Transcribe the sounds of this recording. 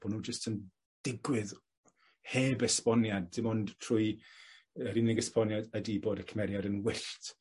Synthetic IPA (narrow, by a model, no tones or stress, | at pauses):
b̥ɔnuːd͡ʒəstʰən | d̥ɪɡwɪð | heːbəspɔnjad̚ɪmɔndtʰruj | əɾɪnɪɡəspɔnjadədiːboːdəkʰəmɛɾjadənwɪɬt